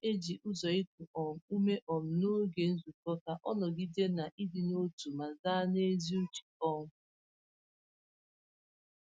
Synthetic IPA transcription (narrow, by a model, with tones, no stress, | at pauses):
e˦d͡ʒi˨ʔʊ˦zɔ˨i˦ku˨ʔɔ˨m̩˨u˦me˦ʔɔ˨m̩˨no˦ɡe˨n̩˦zu˨kɔ˦ka˦ʔɔ˦nɔ˨ɡi˦de˦na˨ʔi˦dɪ˨no˦tu˨ma˨zaː˦ne˦zi˦u˦t͡ʃi̥˨ɔ˦ŋʊ˦